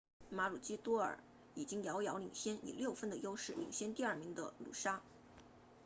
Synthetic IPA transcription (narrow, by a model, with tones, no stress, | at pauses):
ma˧˥lu˨˩t͡ɕi˥t̪wɔ˥ə̰˞˨˩ | i˨˩t͡ɕi˥ŋjɑ˧˥ʊjɑ˧˥ʊlḭ˨˩ŋɕjɛ˥nḭ˨˩ljo˥˩ʊfə˥nd̪ə˨jo˥ʊʂɻ̩˥˩lḭ˨˩ŋɕjɛ˥nt̪i˥˧ɐ˞˥˩mi˧˥ŋd̪ə̰˧lṵ˨˩ʂa˥